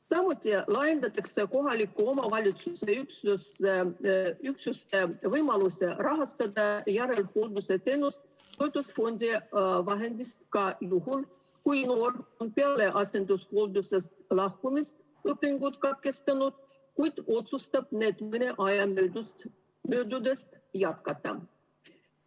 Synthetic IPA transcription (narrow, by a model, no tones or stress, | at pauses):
sɑmut̪ʲːˑilɑjend̪ɑt̪ːɑkseko̞ɦɑlʲikːuo̞mɑvɑlʲit̪suse̞yksuseyksusevɤjmɑlusʲe̞rɑɦɑst̪ɑd̪ɑjæɾe̞lhold̪use̞t̪e̞nːust̪ | t̪o̞jd̪usfo̞nʲd̪ʲivɑɦe̞nʲd̪ʲist̪kɑjuhul | kujnoːronpeɑleʔɑsʲend̪uskold̪usest̪lɑhkumist̪ | əpːiŋɡ̥ut̪kɑt̪̚kest̪ɑnut̪ | kujt̪o̞t̪sust̪ɑp̚neːt̪mɯnʲeʔɑjɑmø | møːd̪ud̪est̪ | jɑt̪kɑt̪ːɑ̰